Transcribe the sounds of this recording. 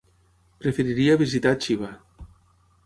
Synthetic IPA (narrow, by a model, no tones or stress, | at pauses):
pɾefeɾiɾiaβizit̪at͡ʃiβa